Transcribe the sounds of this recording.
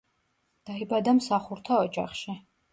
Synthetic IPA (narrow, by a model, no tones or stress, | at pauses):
d̪̥aibad̪amsaχuɾt̪ʰaɔd͡ʒa̰χʃi